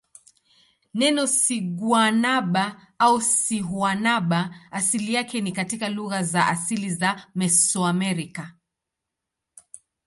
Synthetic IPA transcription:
nɛnɔsiɡwanaɓa | ausiɦwanaɓaːsilijakɛnikatikaluɣazaʔasilizamɛsɔamɛɾika

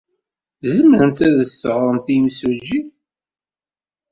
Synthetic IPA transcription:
zəməɾəmt̪æðəsːəʁɾˤəmθimsud͡ʒi

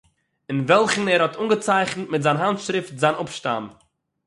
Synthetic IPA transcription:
ɪnvɛlˠχn̩ɛɾhɔtʰunɡət͡saɪχnətmɪtzaɪnɦantʃɾɪftzaɪnʊpʃta̰m

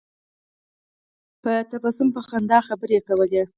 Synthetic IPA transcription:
pət̪abɑsʊmpəxand̪ɑxabəɾekawəle

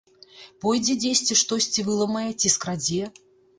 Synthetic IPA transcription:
pɔjd͡zʲɛd͡zʲesʲt͡sʲiʂt̪ɔsʲt͡sʲivɨlˠɐmɐjɐt͡sʲiskɾad͡zʲi

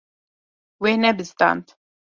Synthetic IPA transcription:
weːnɛbɨzt̪ɑ̰ːnt̪

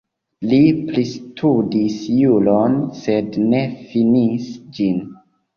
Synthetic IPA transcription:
liplistʰudisjulonse̞dne̞finisd͡ʒin

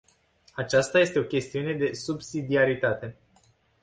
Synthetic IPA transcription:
at͡ʃast̪aje̞st̪e̞o̞kʲe̞st̪iune̞d̪e̞subsid̪iaɾit̪at̪e̞

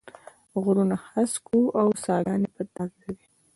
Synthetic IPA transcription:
ɣɾunaxaskuʔawsɑɾɑnepət̪ɑɡkawi

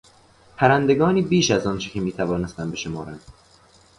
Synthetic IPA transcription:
pʰæɾænd̪e̞ɡɒːniːbiːʃæzɒːnt͡ʃʰecʰemiːt̪ʰævɒːne̞st̪ænbe̞ʃo̞mɒːɾænd̪̥

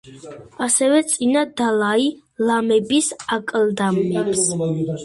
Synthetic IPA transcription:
asɛvɛt̪sʼinad̪alai | lamɛbisakʼld̪amːɛps

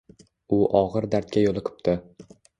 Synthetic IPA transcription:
ʊʔɒʁɨɾd̪aɾt̪̚kʲajolˠɨqʰɨ̥pt̪ʰɪ

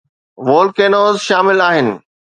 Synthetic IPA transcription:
ʋoːlkeːnoːzʃaːmɪlaːɦɪnɪ̰̆

